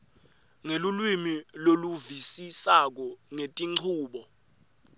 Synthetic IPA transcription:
ŋelulwimiloluvisisak̬ɔŋetʼiŋ͡ǀʰuːɓɔ

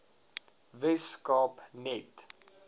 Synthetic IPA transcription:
vɛskɑpnɛt

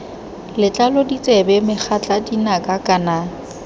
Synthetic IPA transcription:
lɪt͡ɬʼalodit͡sʼɛbɛmɪk͡xʰat͡ɬʼadinakʼakʼana

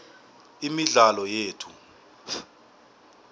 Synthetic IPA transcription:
imiɮalɔjeːtʰu

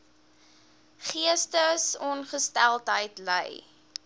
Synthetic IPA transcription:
χiəstəsɔnχəstælˠtɦəjtlə̰j

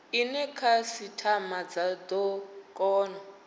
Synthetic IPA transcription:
inɛkʰasitʰamad͡zad̪ɔkʼɔːnɔ

